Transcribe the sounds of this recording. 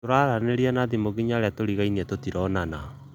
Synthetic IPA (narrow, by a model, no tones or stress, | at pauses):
toɾaɾaneɾianaðimoɣiɲaɾeatoɾiɣainiɛtotiɾɔnana